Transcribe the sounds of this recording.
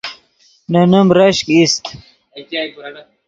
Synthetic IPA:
nɐnumɾɐɕkist̪

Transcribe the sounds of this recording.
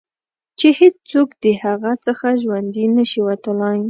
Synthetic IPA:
t͡ʃehet͡st͡sokd̪əhaɣat͡səxaʒwand̪inəʃiwat̪əlɑj

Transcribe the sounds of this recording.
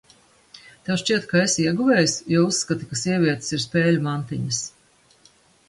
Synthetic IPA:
t̪ɛwʃt͡ʃiɛt̪kaesiɛɡuvɛjsjɔusːkat̪ikasiɛvʲiɛt̪siɾspeːlʲumant̪iɲɐs

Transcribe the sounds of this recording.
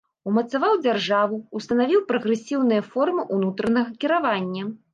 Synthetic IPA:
umɐt̪savawd͡zʲarʐavuust̪ɐnavʲiwpɾɐɣɾɛsʲiwnɨjɐfɔrmɨʔunut̪ɾɐnɐɣɐkʲiɾavanʲːɐ

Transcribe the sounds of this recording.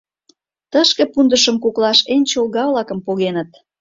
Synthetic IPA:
t̪əʃkĕpund̪əʃəmkuklɑʃenʲt͡ɕolɣɑvlɑkə̆mpoɣenət̪̚

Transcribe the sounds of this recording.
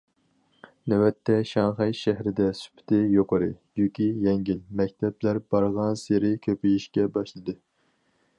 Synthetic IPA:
nɛwɛt̪ʰːɛʃɑŋχɑjʃæɦɾɪd̪ɛsy̥pʰɪ̥t̪ʰɪjoqəɾɨjukʲʰijɛŋɡʲilmɛkʲt̪ʰɛblæɾbɑɾʁɑnseɾɪkʲʰøpijiʃkʲɛbɑʃlˠɨd̪ɨ

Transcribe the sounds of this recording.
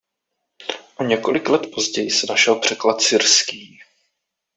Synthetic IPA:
ʔoɲɛkolɪklɛt̪po̞zɟɛjɪsɛnaʃɛlpr̝̥ɛklat̪sɪɾskiː

